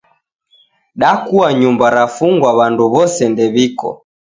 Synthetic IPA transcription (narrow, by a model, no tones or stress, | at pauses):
ɗakuaɲumbaɾafuŋɡwaβanduβɔsɛndɛβikɔ̰